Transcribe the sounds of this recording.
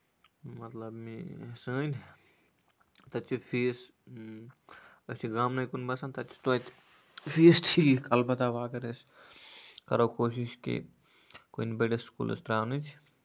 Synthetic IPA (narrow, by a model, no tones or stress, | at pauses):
mɐt̪lɐbmisəːn | t̪ɐt͡ʃʰifʰiːs | ɐt͡ʃʰiɡamnɐjkunbɐsɐnt̪ɐt͡ʃʰi̥t̪ot̪ | fʰiːsʈʰikɐlbɐt̪aʋaːkɐɾes | kɐɾokoːʃiʃkḭ | konbeɖesskṵːlɐ̰st̪ɾaːnɨt͡ʃʰ